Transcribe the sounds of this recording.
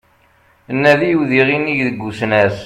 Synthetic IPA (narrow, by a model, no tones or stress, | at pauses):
ənːæðijuðiʁinːiʝðəɡʷːusnæs